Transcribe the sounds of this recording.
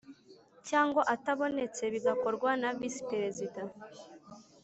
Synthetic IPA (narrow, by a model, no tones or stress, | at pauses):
caːŋɡoʔataβo̞ne̞t͡se̞βiɡako̞ɾɡwanavisi̥peɾezida